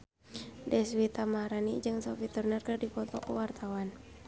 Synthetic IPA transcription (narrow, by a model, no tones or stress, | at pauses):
dɛswit̪amaɾanid͡ʒɨŋsafit̪urnɛrkɨrdipɔt̪ɔ̰kuwart̪ʰawan